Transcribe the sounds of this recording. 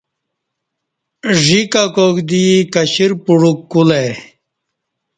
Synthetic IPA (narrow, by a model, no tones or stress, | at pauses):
ʐikakoɡd̪ikɐɕiɾpuɽukːule